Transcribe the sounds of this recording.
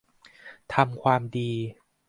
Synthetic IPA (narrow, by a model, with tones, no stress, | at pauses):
t̪ʰa˧mkʰwaː˧mdiː˧